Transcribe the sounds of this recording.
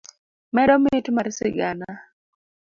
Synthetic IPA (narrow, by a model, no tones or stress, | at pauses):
mɛɗɔmɪtmaɾsɪɡana